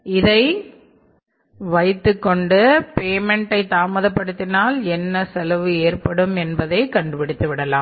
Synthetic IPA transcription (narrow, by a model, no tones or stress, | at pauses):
ɪðɐɪ | ʋɐɪt̪ːɯkːɔɳɖɯpeːmɛɳʈɐɪt̪ːaːmɐðɐpːɐɽɯt̪ːɪnaːlɛnːɐsɛlɐʋɯeːrpɐɽɯmɛnbɐðɐɪkɐɳɖɯpɪɽɯt̪ːɯʋɪɽɐlaːm